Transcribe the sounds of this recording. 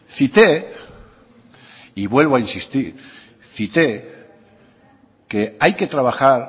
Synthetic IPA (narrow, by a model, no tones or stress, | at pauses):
θit̪e | iβwe̞lβoainsist̪iɾ | θit̪e̞ | ke̞ajke̞t̪ɾaβaxaɾ